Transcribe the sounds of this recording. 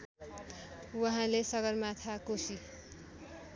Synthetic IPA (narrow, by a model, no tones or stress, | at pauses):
wʌɦãlesʌɡʌrmat̪ʰakosi